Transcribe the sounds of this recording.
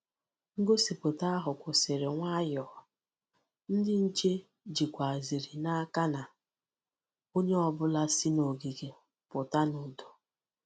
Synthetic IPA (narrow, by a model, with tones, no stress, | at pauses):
ŋ̩˦ɡo˦si˨pʊ˨ta˦a˦ɦʊ˨kʷʊ˨se˨ɾe˨ŋʷa˦jɔː˨ | n̩˦dɪ˦n̩˦t͡ʃe˦ | d͡ʒi˨kʷa˨a˨zi˨ɾi˨na˦ka˦na˨ | o˦ɲe˦ɔ˦bʊ˦la˦si˦no˨ɡi˨ɡe˨ | pʊ˨ta˦nʊ˨do˨